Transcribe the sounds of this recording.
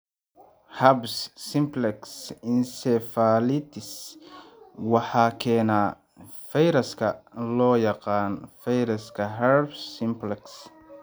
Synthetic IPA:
hɐbsːɪmplɛksɪnsɛfalɪt̪ʰɪs | wɑħɑːkʰɛːnaː | fɛjɾɐskʰɐlɔːjɑqɑːnfɛjɾɐskʰɐɦɐɾbsɪmplɛks

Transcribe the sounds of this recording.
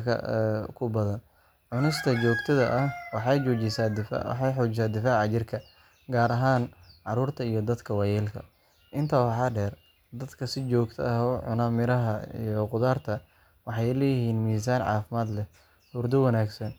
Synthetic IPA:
kʰɐ̰kʰʊbɐðɐn | ʕʊnɪst̪ʰɐt͡ʃɔːɡt̪ʰɐðɐʔɐhwɑħɑjt͡ʃɔːt͡ʃɪsaːd̪ɪ̰ħɑjħɔːt͡ʃɪsaːd̪ɪfaːʕɑt͡ʃɪrkʰɐ | ɡaːɾɐɦaːnʕɑɾuːrt̪ʰɐijɞd̪ɐd̪kʰɐwɑjɛːlkʰɐ̰ | ʔɪnt̪ʰɐwɑħɑːɖɛːr | d̪ɐd̪kʰɐsɪt͡ʃɔːɡt̪ʰɐɐʕʊ̰namɪɾɐɦɐḭjɔqʊðaːrt̪ʰɐ | wɑħɑjlɛːjɪhiːnmiːs̬aːnʕɑ̰ːfɪmaːd̪lɛ | hʊːrd̪ʊwɐnaːɡsɐn

